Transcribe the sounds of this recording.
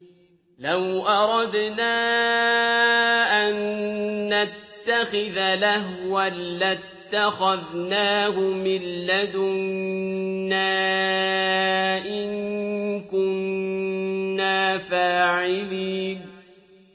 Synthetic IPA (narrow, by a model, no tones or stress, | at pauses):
lawʔɑɾˤɑd̪naː | ʔanː | at̪ːaxɪðalahwalːat̪ːaxaðnaːhʊmɪlːad̪ʊnː | a | ʔɪnkʊnː | aːfaːʕɪliːn